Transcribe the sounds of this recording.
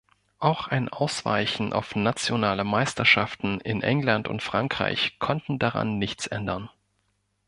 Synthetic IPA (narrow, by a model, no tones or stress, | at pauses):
ʔaʊxʔaɪnʔaʊsv̥a̰ɪçn̩ʔa̰ʊfnat͡sjonaːləmaɪstɐʃaftn̩ɪ̰nʔɛ̰ŋlantʊ̰ntfʁ̥aŋkʁ̥a̰ɪçkʰɔntn̩daʁa̰nːɪçt͡sʔɛ̰ndɐn